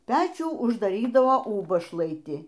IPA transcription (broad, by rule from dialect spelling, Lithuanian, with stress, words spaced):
ˈpʲæːt͡ʃʲuː ʊʒdɐˈrʲiːdɐʋoː ˈuːbɐʃlˠɐɪtʲɪ